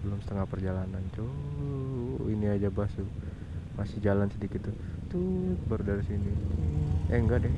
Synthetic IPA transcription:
bəlʊmsə̥t̪əŋahpərd͡ʒalanant͡ʃo | iniad͡ʒabasu | masɪd͡ʒalansədikɪt̪ːut̪ubərdaɾisinit̪ueŋɡadɛh

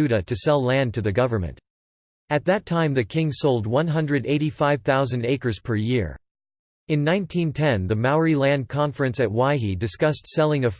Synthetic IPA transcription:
ʉɾɨɾɨsɛlˠlæ̃ntʰɨðɨɡʌvə˞mɨ̰̃nt | ɨt̪̚ðɨtʰãɪ̃mðɨkʰɪ̃ŋsoʊlˠd̚wʌ̃nɦʌ̃ndɹɨɾeɪɾifaɪv̥θaʊzɨ̃n̩deɪkə˞z̥pʰə˞jɪɹ | ɨ̃nːãɪ̃ntʰĩntʰɛ̃nðɨmaʊ˞ilæ̃nd̚kʰɑ̃ɱfɹɨ̃nsɨt̚waɪidɨskʌstsɛlˠɪ̃ŋɨf

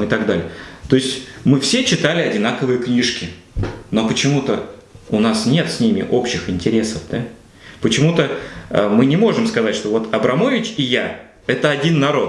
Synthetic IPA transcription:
ɨt̪ɐɡd̪alʲɪət̪o̞ɪsʲtʲmɨfsʲet͡ɕɪt̪alʲɪɐdʲɪnakəvɨjəknʲiʂkʲɪ | nopət͡ɕɪmut̪ə | ʊnasnʲe̞t̪sʲnʲimʲɪ̰ʔo̞pɕːɪxɪnʲtʲɪɾʲe̞səfd̪a | pət͡ɕɪmut̪əə̰mɨnʲɪmo̞ʐɨmskɐzatʲʂt̪o̞vo̞t̪ɐbɾɐmo̞vʲɪt͡ɕɪja | ɛt̪əɐdʲinːɐɾo̞t̪

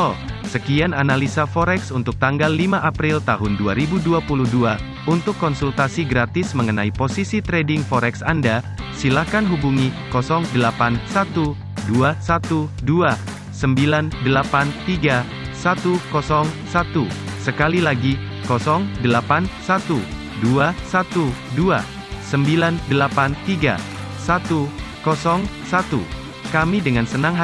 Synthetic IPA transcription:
ɔsəkiananalisafɔɾɛksunt̪ʊk̚t̪aŋɡalːimaʔapɾɪlt̪aɦʊnduaɾibuduapuluhdua | unt̪ʊkːɔnsult̪asiɡɾat̪ɪsməŋənaiposisit̪ɾɛdɪŋfɔɾɛksanda | silahkanɦubuŋikɔsɔŋdəlapansat̪u | duasat̪udua | səmbilandəlapant̪iɡa | sat̪ukɔsɔŋsat̪usəkalilaɡi | kɔsɔŋdəlapansat̪u | duasat̪udua | səmbilandəlapant̪iɡa̰ | sat̪ukɔsɔŋsat̪u | kamidəŋansənaŋɦ

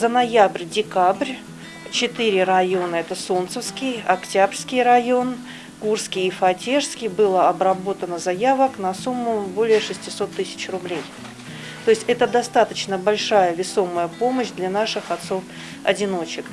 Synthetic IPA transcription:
zənɐjabrʲdʲɪkabrʲ | t͡ɕɪt̪ɨɾʲɪrɐjo̞nəɛt̪əsont̪səfskʲɪjɐktʲabrʲskʲɪjrɐjo̞n | kurskʲɪjɪfɐtʲeʂskʲɪjbɨlˠəɐbɾɐbo̞t̪ənəzɐjavəknɐsumːʊbo̞lʲɪjəʂɨsʲtʲɪso̞t̪ːɨsʲɪ̥t͡ɕrʊblʲej | t̪oɪsʲtʲɛt̪əd̪ɐst̪at̪ət͡ɕnəbɐlʲʂajəvʲɪso̞məjəpo̞məɕd̪lʲanaʂɨxɐt̪so̞f | ɐ̰dʲɪno̞t͡ɕɪk

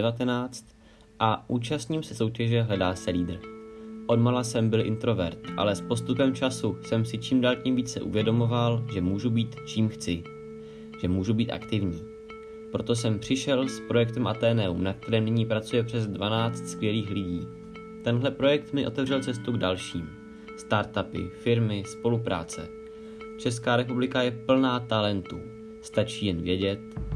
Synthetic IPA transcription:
ɛvat̪ɛnaːt͡st̪ | ʔaʔuːt͡ʃast̪ɲimsɛso̞wcɛʒɛɦlɛdaːsɛliːd̪r̩ʔo̞dmalasɛmbɪlʔɪnt̪ɾo̞vɛ̰ɾt̪ʔa̰lɛspo̞st̪upɛmt͡ʃasusɛmsɪt͡ʃimdaːlcimviːt͡sɛ̰ʔṵvjɛdo̞movalʒɛmuːʒubiːt̪t͡ʃiːmxt͡sɪ | ʒ̥ɛmuːʒubiːt̪ʔa̰kt̪ɪvɲiː | pɾo̞t̪o̞sɛmpr̝̥ɪʃɛlspɾo̞jɛk̚t̪ɛmʔat̪ɛːnɛṵmnakt̪ɛɾɛːmnɪɲiːpɾat͡sujɛpr̝̥ɛzdvanaːt͡st̪skvʲjɛliːxlɪɟiː | t̪ɛnɦlɛpɾo̞jɛk̚t̪mɪʔo̞t̪ɛvr̝ɛlt͡sɛst̪uɡdalʃiːm | st̪aɾt̪apɪ̰fɪɾmɪspo̞lupɾʔa̰ːt͡sɛ̰ | t͡ʃɛskaːɾɛpublɪkajɛpl̩naːt̪alɛnt̪u | st̪at͡ʃiːjɛnvjɛɟɛt̪

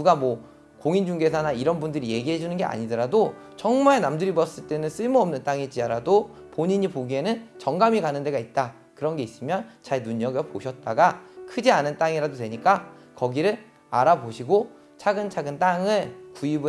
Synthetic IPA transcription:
nuɡamwʌ | koŋind͡ʑuŋɡe̞sʰanaiɾʌnbundɯɾije̞ɡiɦe̞d͡ʑunɯnɡe̞ʔa̰ɲidɯɾado | t͡ɕʌŋmaɭenamdɯɾibʌs͈ɯɭt͈e̞nɯns͈ɯɭmuʌmnɯnt͈aŋid͡ʑ͈iaɾado | poɲiɲipoɡienɯnt͡ɕʌŋɡamikanɯnde̞ɡait̚t͈a | kɯɾʌnɡe̞is͈ɯmjʌnt͡ɕaɭnuɲʌɡɯpoɕʰʌt̚t͈aɡakʰɯd͡ʑianɯnt͈aŋiɾadotwe̞ɲik͈a | kʌɡiɾɯɭ | a̰ɾaboɕʰiɡo | t͡ɕʰaɡɯnt͡ɕʰaɡɯnt͈aŋɯɭkuib

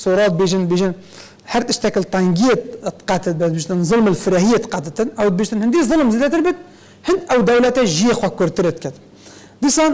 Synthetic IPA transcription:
soɾˤɑːd̪beʒənd̪beʒin | hæɾt̪əʃt̪ækəlt̪ˤɑŋɡijet̪t̪qɑt̪ət̪̚bæt̪̚biʃt̪ənzˤʊlməlfɪɾæhijet̪qɑt̪ət̪ɨnʔæwd̪̚biʃt̪ənhɪnd̪izˤʊlmzid̪æt̪əɾbət̪̚ | hənd̪ʔæwd̪æwlæt̪æʒijexwækːʊɾt̪əɾet̪̚kæt̪ | d̪isɑn

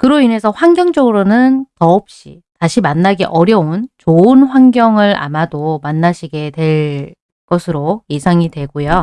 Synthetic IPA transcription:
kɯɾoine̞sʰʌɸwaŋɡjʌŋd͡ʑʌɡɯɾonɯntʌːp̚ɕ͈ḭ | taɕʰimanːaɡḛʔʌɾjʌunt͡ɕoɯnɸwaŋɡjʌŋɯɾa̰madomanːaɕʰiɡe̞twe̞ɭ | kʌsʰɯɾojesʰaŋidwe̞ɡojo

